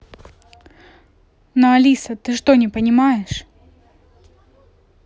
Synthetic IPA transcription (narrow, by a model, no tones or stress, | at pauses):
nɐɐlʲisət̪ɨʂt̪onʲɪpənʲɪmajɪʂ